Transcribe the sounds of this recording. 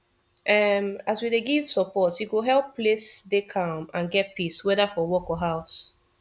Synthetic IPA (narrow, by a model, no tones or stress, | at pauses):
ʔɛmaswideɡiv̥səpɔtjuɡoɦɛlˠpːlesdekʰãmãnɡɛt̚piswɛðafɔwɔkɔɦaʊs